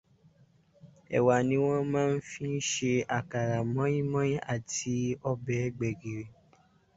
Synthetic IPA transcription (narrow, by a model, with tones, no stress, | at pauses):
ɛ̰˨wa˨nĩ˨˦w̃ɔ̃˦mãː˦n̩˦fi˦n̩˦ʃe˧a˨ka˨ɾa˨mɔ̃˨˦ĩ˦mɔ̃˦ĩ˦ʔa˦˨ti˧˦ɔ˧bɛ˨˦ɡ͡bɛ˨ɡi˨ɾe˨